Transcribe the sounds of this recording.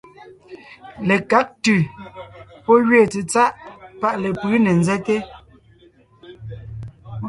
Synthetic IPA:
le˨ka˦k̚tʉ˨ | pɔ˦ɣɥeː˦˨t͡se˨t͡sa˦ʔpa˦ʔle˨pɯ˨˦ne˨n˦zɛ˦te˦

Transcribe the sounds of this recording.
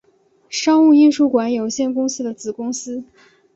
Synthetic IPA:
ʂɑ˥ŋu˥˧i˥˧nʂu˥˩kwa˧˥njo˨˩ʊɕjɛ˥˩nkʊ˥ŋsɹ̩˥d̪ə˨t͡sɹ̩˨˩kʊ˥ŋsɹ̩˥

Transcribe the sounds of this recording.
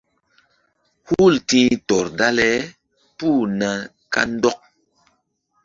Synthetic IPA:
hu˦˨ltĩ˦tɔ˨ɾda˦lɛ˦ | puː˦˨na˨ | ka̰˦n˦dɔ˦k̚

